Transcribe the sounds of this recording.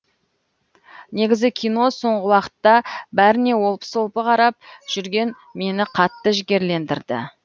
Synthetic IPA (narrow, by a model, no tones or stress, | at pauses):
ne̞ɡʲɪzɪkʲʰijno̞so̞ɴʁəwɑqə̥t̪ːɑbæɾɪne̞wo̞lˠpə̥solˠpəqʰɑɾɑp̚ʒ̥ʏɾɡʲe̞n | me̞nɪqʰɑt̪ːəʒɪɡʲe̞ɾle̞nd̪ɪɾd̪ɪ̰